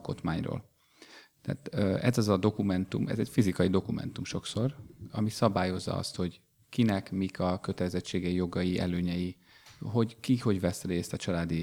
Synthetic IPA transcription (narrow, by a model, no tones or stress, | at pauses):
ko̞t̪maːɲro̰ːl | t̪ɛ̰ːt̪øɛzɒzɒd̪o̞kumɛnt̪umɛ̰zɛcfizikɒjid̪o̞kumɛ̰n̪t̪umʃo̞kso̞rɒmisɒbaːjo̞zːɒ̰ɒ̰st̪ho̞ɟ | kinɛkmikʰɒkø̞t̪ɛlɛzɛt͡ʃːeːɡɛijo̞ɡɒjiʔɛ̰løːɲɛji | ɦo̞ɟkiho̞ɟʋɛsreːst̪ɒt͡ʃɒlaːd̪i